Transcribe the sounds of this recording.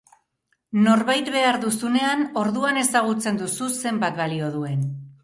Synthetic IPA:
no̞ɾβajt̪βe̞aɾðusune̞ano̞ɾðuane̞saɣ̞ut͡se̞nd̪ususe̞mbat̪βalio̞ðue̞n

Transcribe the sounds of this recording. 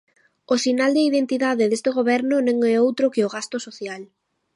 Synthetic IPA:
osinald̪aiðent̪iðaðɪðest̪eɣ̞oβ̞ɛɾnʊnẽŋɛowt̪ɾokɪoɣast̪osoθjal

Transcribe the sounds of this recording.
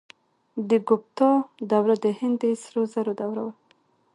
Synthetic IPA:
d̪əɡʊp̚t̪ɑd̪awɾad̪əhɪnd̪esɾozaɾod̪awɾawa

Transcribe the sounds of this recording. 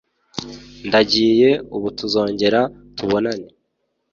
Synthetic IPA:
ndaɟiːje̞uβutuzo̞ːɲɟe̞ɾa | tuβo̞nane

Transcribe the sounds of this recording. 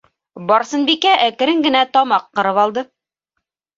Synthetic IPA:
bɒɾsɤ̆nbikæʔækɘ̆ɾɘŋɡɘ̆næt̪ɒmɑqːɤ̆ɾɤpɑlˠd̪ɤ

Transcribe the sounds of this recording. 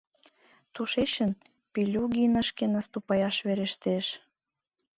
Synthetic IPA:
t̪uʃeɕən | pilʲuɣinəʃkenɑst̪upɑjɑʃβeɾeʃt̪eʃ

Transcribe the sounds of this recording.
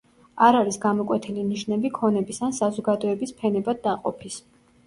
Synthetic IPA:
aɾaɾisɡamɔkʼwɛt̪ʰɛliniʃnɛbikʰɔnɛbisansazɔɡad̪ɔɛbispʰɛnɛbad̪̚ːaqʼɔpʰis

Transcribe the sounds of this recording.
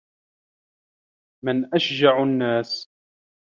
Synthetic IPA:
mɪnʔaʃd͡ʒaʕnːaːs

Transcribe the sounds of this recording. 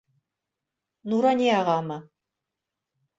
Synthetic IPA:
nuɾanʲiaːʁɑːmɐ

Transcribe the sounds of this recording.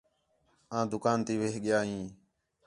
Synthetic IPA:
ãːd̪ʊkaːnt̪iːʋeːɦɠɪjaːɦĩː

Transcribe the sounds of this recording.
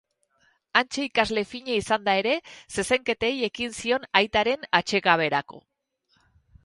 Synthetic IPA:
ant͡ʃe̞ikazle̞fiɲeisand̪ae̞ɾe̞se̞se̞ŋke̞t̪eje̞kinsio̞najt̪aɾe̞nat͡ʃe̞ɣaβ̞e̞ɾako̞̰

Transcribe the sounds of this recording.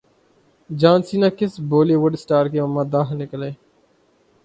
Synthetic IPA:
d͡ʒãːnsiːnãːkɪsboːleːʋʊɖsʈaːɾkeːəmːãːd̪aːɦnɪkəleː

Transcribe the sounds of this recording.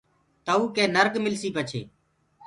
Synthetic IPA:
t̪əuːkẽːnəɾɡmɪlsiːpət͡ʃʰḛː

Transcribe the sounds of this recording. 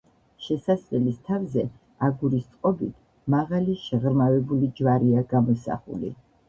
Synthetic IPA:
ʃɛsaslɛlist̪ʰavzɛ | aɡuɾist̪sʼqʼɔbit̪ʰ | maʁaliʃɛʁɾmavɛbulid͡ʒvaɾiaɡamɔsa̰χṵlḭ

